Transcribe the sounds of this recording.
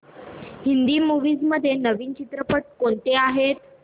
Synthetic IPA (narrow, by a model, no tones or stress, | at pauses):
hind̪iːmuʋiːd͡zməd̪ʱːjenəʋiːnt͡ɕit̪ɾəpəʈ̚koɳt̪eaɦet̪